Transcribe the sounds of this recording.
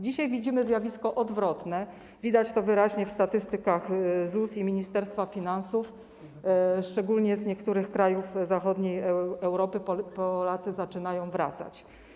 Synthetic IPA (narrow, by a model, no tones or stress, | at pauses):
d͡ʑiɕajvʲid͡ʑimɘzʲjavʲiskɔʔɔd̪vɾɔt̪nɛ | vʲid̪at͡ɕt̪ɔvɘɾaʑɲɛfst̪at̪ɘst̪ɘkaxzusimʲiɲist̪ɛɾst̪fafʲinansuf | ʂt͡ʂɛɡulɲɛzɲɛkt̪uɾɘxkɾajufzaxɔd̪ɲejɛwɾɔpɘpɔlat̪sɘzat͡ʂɘnajɔ̃w̃vɾa̰t̪sa̰t͡ɕ